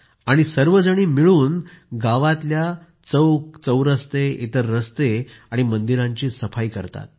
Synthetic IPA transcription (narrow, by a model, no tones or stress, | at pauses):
aɽ̃isəɾʋəd͡zəɽ̃iːmiɭuːn | ɡaʋãt̪lja | t͡səwkt͡səwɾəst̪eḭt̪əɾːəst̪e | aɽ̃imənd̪iɾãɲt͡ɕiːsəfaikə̰ɾt̪a̰t̪̚